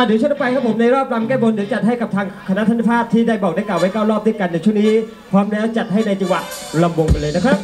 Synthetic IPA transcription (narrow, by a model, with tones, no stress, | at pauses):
ʔa˨˩dɯː˨˩˦t͡ɕu˥˩t̪ʰːpa˧jkʰa˦˥pʰo˩˦na˧jɾɔː˥˩p̚ɾa˧mkɛː˥˩bo˧ndɯː˨˩˦t͡ɕa˨˩t̪̚ɦa˥˩jka˨˩p̚t̪ʰaː˧ŋkʰa˧na˦˥t̪ʰːi˦˥˩pʰaː˥˩p̚t̪ʰiː˥˩daː˥˩jbɔː˨˩k̚a˥˩klaː˨˩wa˦˥jkaː˥˩wɾɔː˥˩p̚d̪u˥˩əka˧nːa˧jt͡ɕʰu˥˩ŋniː˦˥ | kʰwaː˧˥mlɛː˦˥wt͡ɕa˨˩t̪̚ha˥˩jna˧jt͡ɕa˧ŋwa˨˩ | la˧mwo˧ŋka˧nlɤː˧na˦˥kʰɾa˦˥p̚